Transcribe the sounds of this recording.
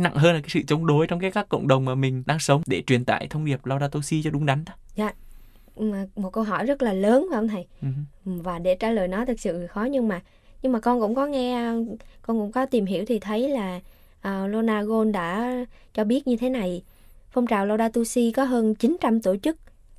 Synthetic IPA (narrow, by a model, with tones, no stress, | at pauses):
na̰˧˨ŋɦəː˧nlaː˨˩kaː˨˦sɨ̰˧˨t͡ɕə˨˦wŋ͡mɗo˨˦jt͡ɕɔ˧ŋ͡mkaː˨˦jkaː˦˥kːə̰˧˨wŋ͡mɗə˨˩wŋ͡mmaː˨˩mï˨˩ŋ̟ɗaː˧ŋsə˨˦wŋ͡mɗe˧˩t͡ɕwi˨˩ənt̪a̰ː˧˨jt̪ʰə˧wŋ͡mɗi˨˩əp̚la˧wɗaː˧t̪o˧si˧t͡ɕɔ˧ɗʊ˨˦ŋ͡mɗa˨˦jŋ̟ɗa˨˦zaː˨ | ʔmo˨˩t̚kə˧wɦɔ˧˩jzə˦˥t̚laː˨˩ləː˨˦nka˧˦ʔə˧wŋ͡mt̪ʰa˨˩jvaː˨˩ɗe˧˩t͡ɕa̰ː˧˥ləː˨˩jnɔ˨˦t̪ʰɨ˨˩k̚sɨ̰˧˨xɔ˨˦ɲɨ˧ŋmaː˨˩ | ɲɨ˧ŋmaː˨˩kɔ˧nkʊ̰˧˥ŋ͡mkɔ˨˦ŋɛ˧kɔ˧nkʊ̰˧˥ŋ͡mkɔ˨˦t̪i˨˩mɦi˧˩əwt̪ʰi˨˩t̪ʰə˨˦jlaː˨˩ | ʔəː˨˩lo˧naː˧ɣo˧nɗa̰ː˧˥t͡ɕɔ˧ɓi˦˥ət̚ɲɨ˧t̪ʰe˨˦na˨˩j | fə˧wŋ͡mt͡ɕaː˨˩wla˧wɗaː˧t̪u˧si˧kɔ˨˦ɦəː˧nt͡ɕi˨˦nt͡ɕa˧mt̪u˧˩jt͡ɕɨ˦˥k̚